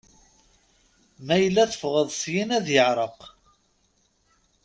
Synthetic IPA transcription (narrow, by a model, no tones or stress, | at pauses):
mæjəlːæθəfʁəðˤsjinæðjəʕɾˤəq